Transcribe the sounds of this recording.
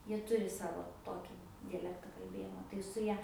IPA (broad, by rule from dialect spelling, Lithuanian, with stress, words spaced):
ˈjiɛ ˈtʊrʲɪ ˈsɑːʋoː ˈtoːkʲɪ dʲɛˈlʲæːktɐ kɐlʲˈbʲeːjɪmoː tɐɪ sʊ ˈjɛ